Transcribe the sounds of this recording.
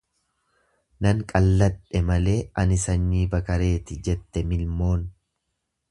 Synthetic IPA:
nɐŋkʼɐlːɐᶑɛmɐle̞ːɐnɪsɐnːiːbɐkɐɾe̞ːt̪ɪd͡ʒɛt̪ːɛmɪlmo̞ːn

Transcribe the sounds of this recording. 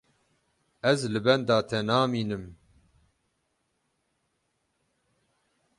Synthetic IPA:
ɛzlɨbɛnd̪ɑːt̪ʰɛnɑːmiːnɨm

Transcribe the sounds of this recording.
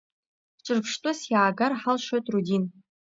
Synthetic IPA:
ʈ͡ʂʷʼɨrpʰʂtʼʊsjaːɡarħalʂotʼrudʲin

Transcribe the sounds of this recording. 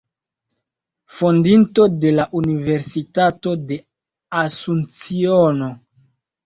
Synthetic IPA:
fo̞ndinto̞de̞laʔunive̞ɾsitato̞de̞ | asunt͡siono̞

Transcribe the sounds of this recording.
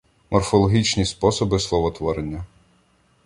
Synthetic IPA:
mɔrfɔlˠɔɦʲit͡ʃnʲispɔsɔbɪslˠɔʋɔt̪ʋɔɾenʲːɐ

